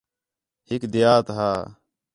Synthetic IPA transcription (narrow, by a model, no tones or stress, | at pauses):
hɪkd̪ɪjaːt̪ɦaː